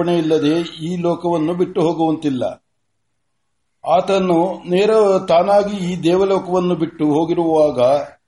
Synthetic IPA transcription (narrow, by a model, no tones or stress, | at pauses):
ɐɳejilːɐd̪e̞ːiːlɔːkɐʋɐnːubiʈːuɦoːɡuʋɐnt̪ilːɐ̰ | aːt̪ɐnːuneːɾɐt̪aːnaːɡiiːd̪ɛːʋɐlɔːkɐʋɐnːubiʈːuɦo̞ːɡiɾuʋuʋaːɡɐ